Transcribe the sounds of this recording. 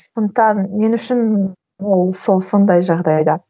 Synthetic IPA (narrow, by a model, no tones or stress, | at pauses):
sond̪ət̪ɑnme̞nʏʃɪn | wolˠso̞lˠsond̪ɑjʒɑʁd̪ɑjd̪ɑ